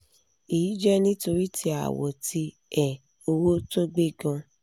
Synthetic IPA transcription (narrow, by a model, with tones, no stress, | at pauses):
i˨i˨˦d͡ʒɛ˦nĩ˦to˧ɾi˦tʰi˧a̰˨wɔ˨ti˧ | ɛ˨ | o˧wo˦to˦ɡ͡be˦ɡã˧